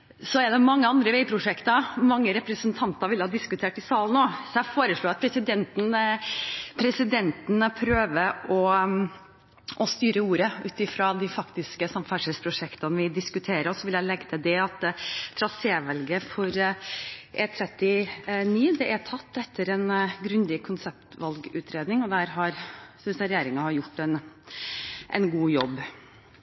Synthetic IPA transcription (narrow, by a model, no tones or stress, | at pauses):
sɔɛɖ̪ɛmɑŋːəɑnd̪ɾəʋeɪpʰɾʊʂɛkt̪əmɑŋːəɾɛpɾəsənt̪ʰɑnt̪ɑɾʋɪlːəhɑːd̪ɪskʉt̪ʰeːʈɪsɑːlnoːsɔæɪfoːɾəʂɭoːɑt̪̚pʰɾɛsɪd̪ɛnt̪n̩ | pʰɾɛsɪd̪ɛnt̪n̩pʰɾøːʋəʔɔ | ʔɔst̪yːɾəuːɾəʉːt̪ɪfɾɑd̪ɪfɑkt̪ɪskəsɑmfæʂɛspʰɾʊʂɛkt̪ɑnʋɪd̪ɪskʉt̪ʰeːɾəɔsɔʋɪljæɪlɛɡət̪ʰɪd̪ɛɑt̪t̪ʰːɾɑseːʋɛlɡəfɔɾ | ʔɛt̪ʰɾɛt̪ːɪniːd̪ɛʔɛt̪ʰɑt̪ːɛt̪ʰːəɾɛnɡɾʉnd̪ɪkʰʊnsɛp̚t̪ʋɑlɡʉ̰ːt̪ʰɾeːd̪nɪŋɔd̪æːɾɦɑɾsʏsəɾɛjeːɾɪŋɑhɑɾjʊʈːɛn | ʔɛ̰nɡuːjɔbː